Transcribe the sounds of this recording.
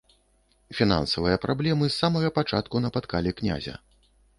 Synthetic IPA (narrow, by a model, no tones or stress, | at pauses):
fʲina̰nsɐvɨjɐpɾablʲɛmɨsːamɐɣɐpat͡ʂa̰t̪kunɐpat̪kalʲɛknʲa̰zʲɐ̰